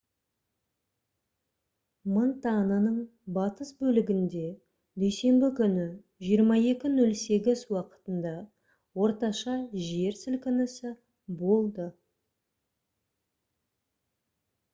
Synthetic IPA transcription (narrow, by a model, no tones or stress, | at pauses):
mənt̪ɑnənəɴbɑt̪əsbɵlɪɡʲɪnd̪e̞ | d̪ejse̞mbɪkʲʰʏnɪ | ʒijəɾmɑje̞kʲɪnɵlse̞ɡʲɪzwɑqə̥t̪ənd̪ɑ | wo̞ɾt̪ɑʃɑʒe̞ɾsɪlkʲɪnɪsɪ | bo̞lˠd̪ə